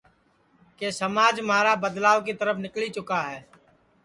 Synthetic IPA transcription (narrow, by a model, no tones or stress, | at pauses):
kesɐmaːd͡ʒmaːɾabəd̪laːwkit̪ɐɾəfʰnɪklit͡ʃʊkaɦɛː